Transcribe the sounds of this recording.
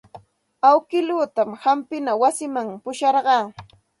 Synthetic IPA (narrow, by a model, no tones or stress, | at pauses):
awkɪluːt̪amhampɪnawasɪmaŋpʊʃɑɾɢɑː